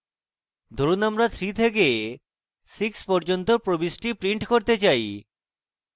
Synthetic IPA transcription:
d̪ʱoɾunamɾat̪ʰɾit̪ʰeke | sikspɔɾd͡ʑont̪opɾobisʈipɾiɳʈkoɾt̪et͡ɕaj

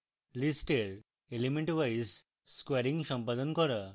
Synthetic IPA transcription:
lisʈeɾ | elimẽɳʈʋajs | skʋɛɾiŋɡsɔ̃mpad̪ɔnkɔɾa

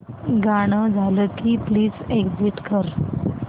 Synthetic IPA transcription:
ɡaɽ̃əd͡zʱaləkipliːd͡zeɡd͡ziʈkəɾ

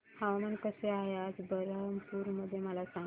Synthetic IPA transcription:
haʋamankəseajad͡zbəɾəmpuːɾməd̪ʱːjeməlasã

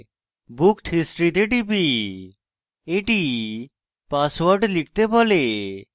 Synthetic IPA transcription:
bukʈɦisʈɾit̪eʈibi | eʈi | pasʋoɾɖlik̚t̪ebɔle

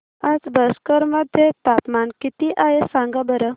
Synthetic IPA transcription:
ad͡zbəskəɾməd̪ʱjet̪apmankit̪iʔaɦesãŋɡabəɾə

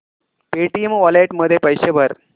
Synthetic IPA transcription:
peːʈijɐmʋɐleːʈmɐːd̪epɐjɕɐbɐɾ

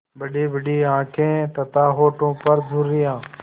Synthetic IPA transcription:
bəɖiːbəɖiːãːkʰẽːt̪ət̪aːɦoːʈõːpəɾd͡ʒʱuɾːɪjãː

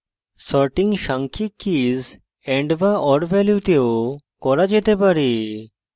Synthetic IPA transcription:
sɔɾʈiŋɡʃãŋkʰikːiz | ẽɳɖʋaʔɔɖʋɛljut̪eo | kɔɾad͡ʒet̪epaɾi

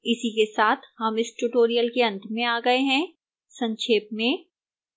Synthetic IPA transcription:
ɪsikesaːt̪ʰhɐmɪsʈuʈoːɾijəlkeɐ̃nt̪ʰmẽaːɡɐeɦɛ̃ | sɐ̃ɲʃʰeːp̚mẽ

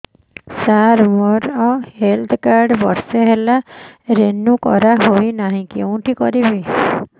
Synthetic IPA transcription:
saɾmɔɾɔhelt̪ʰkaɾɖbɔɾseɦelaɾenukɔ̰ɾaɦoinaɦĩkeũʈʰikɔ̰ɾibi

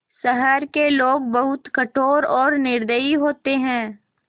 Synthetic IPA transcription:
səɦəɾkeloːɡ̚bɐɦʊt̪kɐʈʰoːɾɔːɾnɪɾd̪əiɦoːt̪eɦɛ̃ː

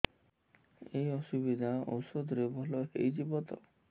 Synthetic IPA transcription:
ejɔsubid̪ʱao̰wsod̪ʱɾebʱɔlɔḛjd͡ʒibɔt̪ɔ̰

